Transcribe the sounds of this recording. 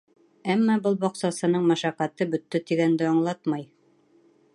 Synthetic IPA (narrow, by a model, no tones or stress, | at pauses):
æmːɑbɤlˠbɒqsɑsɤ̆nɤɴmæʃæqːæt̪ɤbɵ̆t̪ːɘt̪iɡænd̪ɘɑɴlˠɑt̪mɑj